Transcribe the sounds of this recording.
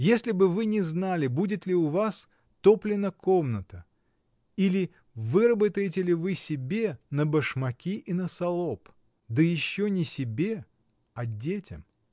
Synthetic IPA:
jesʲlʲɪbɨvɨnʲɪznalʲɪbudʲɪt̪lʲɪʊvas | t̪oplʲɪnəkʰo̞mnət̪ə | ilʲɪ | vɨɾəbət̪əjɪt̬ʲɪlʲɪvɨsʲɪbʲenəbəʂmɐkʲiʔinəsɐlˠo̞p | d̪əjɪɕːonʲɪsʲɪbʲe | ɐdʲetʲɪ̰m

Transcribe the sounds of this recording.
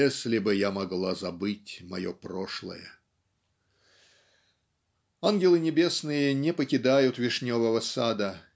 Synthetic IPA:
esʲlʲɪbɨjamɐɡlˠazɐbɨtʲmɐ̰joproʂlˠə̰jə | anɡʲɪlˠɨnʲɪbʲe̞snɨjənʲɪpəkʲɪd̪ajʊt̪vʲɪʂnʲovəvəsad̪ə

